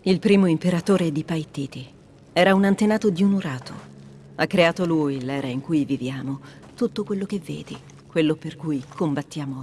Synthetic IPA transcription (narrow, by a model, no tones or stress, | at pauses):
ilpɾiːmoimpeɾat̪oːɾed̪ipajt̪ːiːt̪i | ɛːɾaunant̪enaːt̪od̪iunuɾaːt̪ʰo̰ | akːɾeaːt̪oluilɛːɾaiŋkujvivjaːmo | t̪ut̪ːokwelːok̟evːḛːd̪i | kwelːoperkujkʰombat̪ːjaːmo